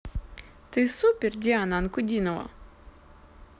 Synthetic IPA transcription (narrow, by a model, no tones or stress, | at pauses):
t̪ɨsupʲerd̪ʲianankʊd̪ʲinɔvɐ̰